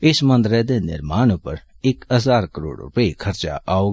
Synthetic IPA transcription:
ɪsmɐ̃nd̪ɾɛd̪enɪ̰ɾmaːñõpə̰ɾ | ɪkəzaːɾkəɾo̰ːɽɾʊ̰pəekʰɐɾt͡ʃa̰ʔaːoː

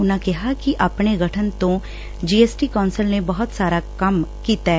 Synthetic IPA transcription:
ʊnakɛɦakiʔɐpneɡʱɐʈʰənt̪õ | d͡ʒiːeːsʈikɔːnsəlnebɐɦʊt̪saːɾakɐmkiːt̪aː

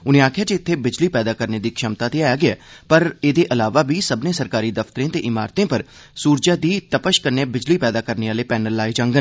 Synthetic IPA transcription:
ʊnẽːaːkʰɪjaːd͡ʒeɪt̪ʰːeːbɪd͡ʒliːpɛːd̪aːkəɾneːd̪iːkʃəmt̪ãːt̪eːaːjaːɡɪɛːpəɾeːd̪eːʔəlaːʋaːbiːsəbnẽːsəɾkaːɾiːd̪əft̪əɾẽːt̪eːʔɪma̰ːɾt̪ẽːpəɾ | suːɾd͡ʒaːd̪iːt̪əpəʃkəɾneːbɪd͡ʒliːpɛːd̪aːkəɾneːaːleːpɛːnəlːaːid͡ʒãːŋɡən

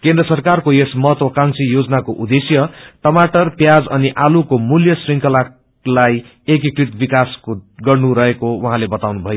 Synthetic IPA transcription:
kend̪rʌsʌrkarkojesmʌɦʌt̪wʌkãŋsijod͡zʌnakoʔud̪esjʌʈʌmaʈʌrpjad͡zʌniʔalukomuljʌsriŋkʌla | laj | ekikrit̪bikaskoɡʌrnuɾʌɦekowuɦãlebʌt̪awnubʱʌjo

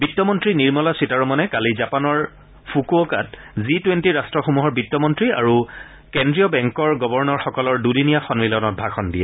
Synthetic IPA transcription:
bitːɔmɔntɹiniɹmɔlasitaɹɔmɔnɛkalizapanɔɹ | fʰukuokat | zitwentiɹastɹɔxomuɦɔɹbitːɔmɔntɹia̰ɹu | kendɹijɔbɛŋkɔɹɡɔbɔɹnɔɹxɔkɔlɔɹdudinijaxɔnmilɔnɔt̚bʱaxɔndijɛ

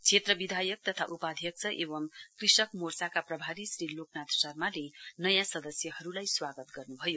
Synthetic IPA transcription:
t͡sʰet̪rʌbid̪ʱajʌk̚t̪ʌt̪ʰa̰ʔupad̪ʱjʌk̚t͡sʰʌʔeβʌmkrisʌkmorsakaprʌbʱaɾisɾiloknat̪sʌrmalenʌjãsʌd̪ʌsjʌɦʌɾulajswaɡʌt̪ɡʌrnubʱʌjo

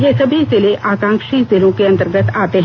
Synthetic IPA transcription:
jesɐbʱizɪleʔaːkãːŋkʃizɪlõkeɐ̃nt̪əɾɡət̪aːt̪eɦ

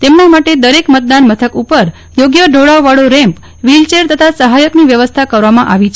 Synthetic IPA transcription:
t̪emnamaʈed̪əɾekmət̪̚d̪anmət̪ʰəkupəɾ | joɡjəɖʱoɭaʋʋaɭoɾɛ̃mp | ʋilt͡ʃeɾt̪ət̪ʰasəɦajəkniʋjəʋəst̪ʰakəɾʋamãʔaʋit͡ʃʰ

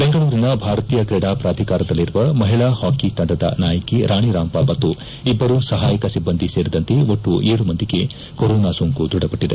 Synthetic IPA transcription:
beŋɡɐɭuːɾinɐbʱaːɾɐt̪iːjɐkɾeɽaːpɾaːd̪ʱikaːɾɐd̪ɐlːiɾuʋɐmɐɦiɭahaːkit̪ɐɳɖɐd̪ɐ̰naːjɐkiɾaːɳ̃iɾaːmpɐmɐt̪ːu | ibːɐɾuːsɐɦaːjɐkɐsibːɐnd̪ʱiseːɾid̪ɐnt̪eoʈːuʔeːɽumɐnd̪iɡe̞ | koɾɔːnaːsoːŋkud̪ɾuɽɐpɐʈːid̪e

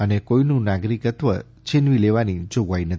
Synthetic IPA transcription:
ənekoinũnaɡɾikət̪ʋə | t͡ʃʰinʋileʋanid͡ʒoɡʋainə

